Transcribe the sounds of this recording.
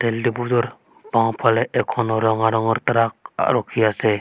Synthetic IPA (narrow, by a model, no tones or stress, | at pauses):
tɛldibuzɔɾ | baw̃pʰalɛʔɛkʰɔnɔɾɔŋaɾɔŋɔɾt̪ɾak̚a̰ɾɔkʰːiasɛ